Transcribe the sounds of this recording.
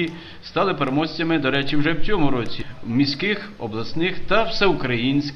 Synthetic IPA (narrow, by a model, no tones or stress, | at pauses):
i | st̪ɑlˠɪpeɾemɔsʲt͡sʲɐmɪd̪ɔɾɛt͡ʃɪwʒɛwt͡sʲɔmʊɾɔt͡sʲiwmʲisʲkɪxɔblˠɐsnɪxt̪ɐwsɛʊkɾɐjinʲsʲk